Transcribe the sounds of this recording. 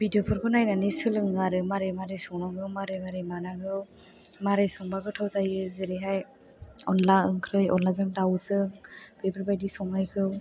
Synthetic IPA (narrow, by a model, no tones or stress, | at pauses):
b̥idiopʰɯɾkʰɯnajnanisɯlɯŋɡaɾɯmaɾemaɾesɔŋnaŋɯwmaɾemaɾemanaɡɯw | maɾesɔŋbaɡɯtʰawzajɯzeɾeɦaj | ɔnlaɯŋkʰɾɯjɔnlazɯŋdawzɯŋb̥ebɯɾbajdisɔŋnajkʰɯw